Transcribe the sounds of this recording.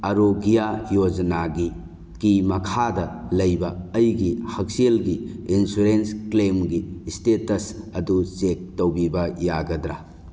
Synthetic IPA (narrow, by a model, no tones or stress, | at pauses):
ɐɾoɡijajod͡ʒɐnaɡi | kimɐkʰadɐlɐjbɐːjɡihɐk̚selɡiːnsuɾensklemɡistetɐsɐdut͡ʃek̚towbibɐjaɡɐdɾa